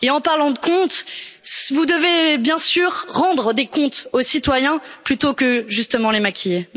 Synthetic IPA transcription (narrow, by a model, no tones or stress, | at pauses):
eɑ̃paʁlɑ̃d̪əkɔ̃t̪svud̪əvebjɛ̃syːʁːɑ̃d̪ʁəd̪ekɔ̃t̪osit̪wajɛ̃plyt̪okəʒyst̪əmɑ̃lemakʲʰije